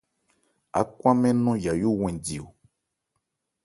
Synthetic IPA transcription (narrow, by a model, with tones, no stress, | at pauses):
a̰˨kwã˦mɛ̃˦nɔ̃˦ja˨jo˦w̃ɛ̃˨di˨o˨